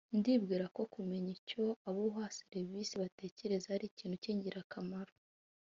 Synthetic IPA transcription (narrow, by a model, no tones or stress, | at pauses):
ndibɡiːɾako̞kume̞ɲico̞aβuɦaseɾivisiβate̞ːce̞ɾe̞zahaɾiciːn̥huciːɲɟiɾakʰamaɾo